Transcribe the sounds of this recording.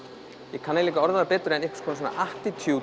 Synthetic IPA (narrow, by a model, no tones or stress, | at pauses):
jɛkʰanaliːkaɔɾðaðapɛːt̪ʏɾɛnɪhkskʰɔnas̬na̰ʔaht̪it̪ʰu